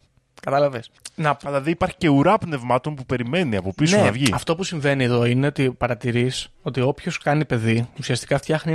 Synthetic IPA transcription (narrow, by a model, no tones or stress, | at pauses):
kɐt̪ɐlɐvesnɐpɐlɐðiipɐɾçi̥ce̞uɾɐpne̞vmɐt̪o̞npupe̞ɾime̞niɐpo̞pisonɐvʝiɐft̪o̞pusiɱve̞nie̞ðo̞ine̞o̞t̪ipɐɾɐt̪iɾiso̞t̪io̞pço̞skɐnipe̞ðiusiɐst̪i̥kɐft̪çɐxni